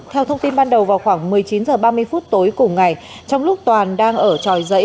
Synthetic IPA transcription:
t̪ʰɛ˧wt̪ʰə˧wŋ͡mt̪i˧nɓaː˧nɗə˨˩wvaː˨˩wxwaː˧˩ŋmɨ˨˩əjt͡ɕi˨˦nzəː˨˩ɓaː˧mɨ˧əjfuː˦˥t̚t̪o˨˦jkʊ˨˩ŋ͡mŋa˨˩j | t͡ɕɔ˧wŋ͡mlʊ˦˥k͡p̚t̪waː˨˩nɗaː˧ŋʔəː˧˩t͡ɕɔ˨˩jzə̰˧˥

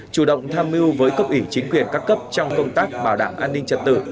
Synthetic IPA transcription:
t͡ɕu˧˩ɗə̰˧˨wŋ͡mt̪ʰaː˧mi˧wvəː˨˦jkə˦˥wk͡p̚ʔi˧˩t͡ɕï˨˦ŋ̟kwi˨˩ənkaː˦˥kːə˦˥p̚t͡ɕɔ˧wŋ͡mkə˧wŋ͡mt̪aː˦˥k̚ɓaː˧˩wɗaː˧˩ŋʔaː˧nːï˧ŋ̟t͡ɕə̰˨˩t̚t̪ɨ̰˧˩

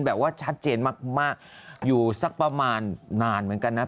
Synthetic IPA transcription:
nbɛː˨˩p̚waː˥˩t͡ɕʰa˦˥t̪̚t͡ɕeː˧nmaː˥˩k̚maː˥˩k̚juː˨˩sa˥˩k̚pɾa˧maː˧nːaː˧nmɯ˩˦ə˦nka˧nːa˦˥

